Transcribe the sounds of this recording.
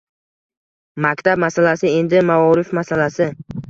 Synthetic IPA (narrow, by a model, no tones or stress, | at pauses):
makʲt̪ʰab̚masalasɪe̞nd̪ɪmaɒɾɪfmasalasɪ